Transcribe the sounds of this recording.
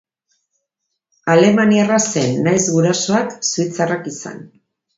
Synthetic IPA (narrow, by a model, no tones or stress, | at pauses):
ale̞manierase̞nːajzɣuɾaso̞aksuit͡sarakisa̰n